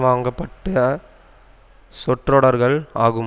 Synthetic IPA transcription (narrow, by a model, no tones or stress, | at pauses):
ʋaːŋɡɐpːɐʈːɐ | sɔʈrɔɽɐɾɣɐɭaːɣɯ